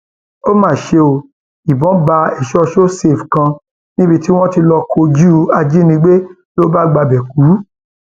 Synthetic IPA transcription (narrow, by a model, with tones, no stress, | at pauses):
o˦mãː˦˨ʃe˧o˧˨ | i˨bɔ̃˨˦ba˧ɛ˦˨ʃɔ˦˧ʃo˦se˨fkã˧ | nĩ˦bi˧ti˦w̃ɔ̃˦ti˧lɔ˧kʰo˧d͡ʒu˦˨a˧d͡ʒi˦nĩ˧ɡ͡be˦ | lo˦ba˦˨ɡ͡ba˧bɛ˨ku˨˦